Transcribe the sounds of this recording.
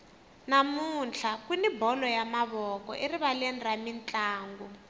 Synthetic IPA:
namunɬʰakwinibʱɔlɔjamaβɔkɔ̰ʔeriβalɛnramint͡ɬʼaːŋɡɔ

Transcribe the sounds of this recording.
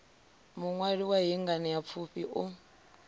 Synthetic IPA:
muŋwaɺiwaɦiŋɡanijap̪fʰupiʔu

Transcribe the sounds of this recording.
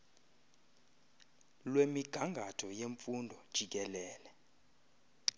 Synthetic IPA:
lwemiɡ̥ʱaŋɡʱatʰɔjeɱfundʱɔd̥ʒ̥ʱik̬ɛlɛːlɛ

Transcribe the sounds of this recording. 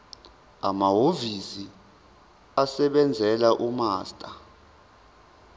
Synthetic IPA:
a̰maɦovisi | asɛɓɛnd͡zʱɛlaʔumaːstʼa

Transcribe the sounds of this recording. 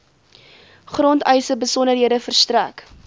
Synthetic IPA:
χrɔntəjsəbəsɔnərɦiədəfərstræk

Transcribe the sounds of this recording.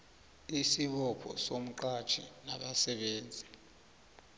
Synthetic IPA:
isiɓɔpʰɔ̰som̩ǃḁt͡ʃʰḭna̰ɓasɛɓeːnd͡zʱi

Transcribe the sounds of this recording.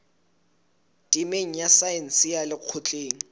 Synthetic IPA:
dʼimeŋ̩jasajɛn̩sɪjalɪq͡χʰʊt͡ɬʼeːŋ̩

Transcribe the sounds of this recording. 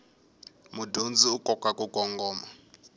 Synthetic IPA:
mudond͡ziukʼɔkʼakʼukʼɔŋɡɔːma

